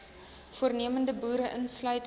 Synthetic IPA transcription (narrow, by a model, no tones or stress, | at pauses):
fuərniəməndəbuːɾəʔənslœɥt